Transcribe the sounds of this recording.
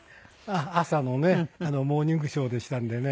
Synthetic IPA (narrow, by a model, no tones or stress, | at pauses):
aasano̞ne̞ano̞mo̞ːɲ̟ĩŋɡɯ̟ɕo̞ːd̪e̞ɕi̥t̪ãnd̪e̞ne